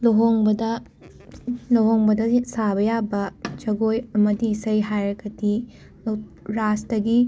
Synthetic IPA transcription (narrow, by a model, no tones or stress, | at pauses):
loɦoŋbɐdɐ | loɦoŋbɐdɐsabɐjabɐt͡ʃɐɡojɐmɐdiːsɐjɦajɾɐɡɐdi | l | ɾastɐɡi